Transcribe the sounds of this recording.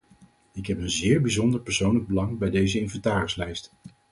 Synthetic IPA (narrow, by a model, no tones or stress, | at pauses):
ɪkɦɛpənzɪːɹbizɔndəɹpəɹsownləɡ̚bəlɑŋbɛjdejzəɪnvɛntaːrɪslɛjst